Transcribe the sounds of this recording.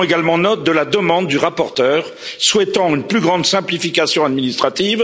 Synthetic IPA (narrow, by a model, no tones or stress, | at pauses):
eɡalmɑ̃nɔt̪̚d̪əlad̪əmɑ̃d̪ːyʁapɔʁt̪œʁ | swɛt̪ɑ̃ynplyɡʁɑ̃d̪sɛ̃plifikasjɔ̃ad̪minist̪χat̪iv